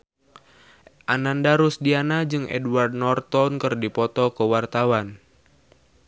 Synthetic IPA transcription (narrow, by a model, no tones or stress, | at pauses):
ʔanandaɾusdianad͡ʒɨŋʔɛ̰duward̚nɔrt̪ɔnkɨrdipɔt̪ɔkəwart̪awan